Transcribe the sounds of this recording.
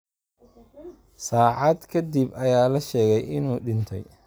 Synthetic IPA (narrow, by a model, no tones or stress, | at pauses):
saːʕɑd̪kʰɐd̪ibɐjaːlɐʃɛːɣɛjʔɪnuːɖɪnt̪ʰɛ̰j